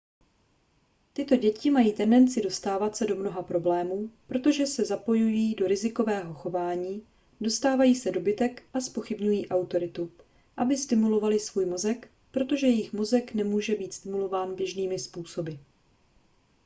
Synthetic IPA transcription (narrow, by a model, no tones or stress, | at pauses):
t̪ɪt̪o̞ɟɛcɪmajiːt̪ɛndɛnt͡sɪdo̞st̪aːvat̪sɛdo̞mno̞ɦapɾo̞blɛːmuːpɾo̞t̪o̞ʒɛsɛzapo̞jujido̞ɾɪzɪko̞vɛːɦo̞xo̞vaːɲiː | do̞st̪aːvajiːsɛdo̞bɪt̪ɛkʔaspo̞xɪbɲujiːʔawt̪o̞ɾɪt̪u | ʔabɪst̪ɪmulo̞valɪsv̥uːjmo̞zɛk | pɾo̞t̪o̞ʒɛjɛjɪxmo̞zɛknɛmuːʒɛbiːt̪st̪ɪmulo̞vaːnbjɛʒniːmɪspuːso̞bɪ